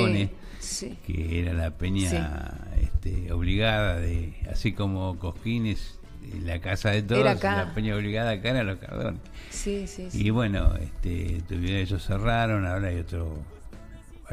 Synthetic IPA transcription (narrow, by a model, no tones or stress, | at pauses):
ones | skḛeɾalapeɲaḛht̪ḛo̰βliɣaðaðea̰siko̞mokohkines | ḛlakasaðet̪oðaoslapeɲaoβliɣaðakaeɾalohka̰ɾðo̰nessisiβwe̞no̰ḛht̪ḛt̪uβjeeʒoseraɾo̞naoɾaajot̪ɾo | a